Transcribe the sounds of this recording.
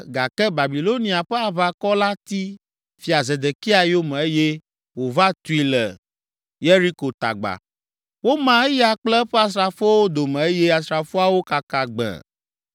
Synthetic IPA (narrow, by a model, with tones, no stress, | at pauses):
ɡa̰˨kɛ˦ba˨bi˨lo˦nĩ˨a˨ɸɛ˦a˨βa˦kɔ˦la˦t̪i˦ | fi˨a˨ze˨d̪e˨ki˦a˨jo˦mɛ̃˨e˦je˦ | wo˨va˦t̪u˨˦i˦lɛ̰˨ | je˦ɾi˦ko˨t̪a̰˨ɡ͡ba̰˨ | wo˦mã˦e˦ja˦k͡plɛ˦ɸɛ˦a˨s̬ɾa˨fo˦wo˦d̪o˨mɛ̃˨e˦je˦a˨sɾa˨fo˦a˦wo˦ka˨ka˨ɡ͡bɛ̰̃˨